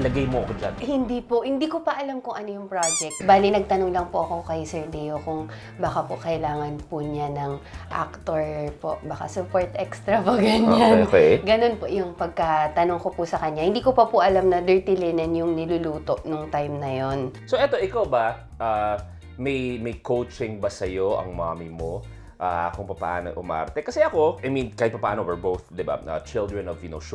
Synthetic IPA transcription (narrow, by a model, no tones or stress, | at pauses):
lɐɡajmoʔɐkod͡ʒa̰nhɪnd̪iːpoʔhɪnd̪iːkopɐʔɐlamkʊŋʔɐnojʊŋpɹad͡ʒɛk̚t̪̚baːlinɐɡ̚t̪ɐnoŋlɐŋpʊʔɐko̞kɐjsɛɹd̪ɛjokʊŋ | baːkapʊkɐʔɪlaːŋɐnpʊɲanɐŋʔa̰k̚t̪oɹpo̰ʔbaːka̰sʊpoɹt̪ʔɛkst̪ɾɐpoɡɐɲanokɛɡɐno̞npoʔjʊŋpɐɡ̚kɐt̪ɐnʊŋkopusɐkɐɲːahɪnd̪iːkopɐpʊʔɐlamnɐd̪ɛɹt̪ɪlɪnɛnjʊŋnɪluluːt̪o̞ʔnʊŋt̪ajmnɐjonsoʔɛt̪o̞ʔɪkawbɐ | ʔa | mɐjmɐjkʰowt͡ʃɪŋbɐsɐjoʔɐ̰ŋma̰ːmimo | ʔakʊŋpɐpɐa̰ːno̰ʔʊma̰ːɐ̰ɾt̪ɛkɐsɛʔɐko̞ʔɐjminkaːhɪt̪̚pɐpaːnowɛɹbowθd̪ɪba̰ɐ̰t͡ʃɪld̪ɹɛnɔvjɪno̰wʃ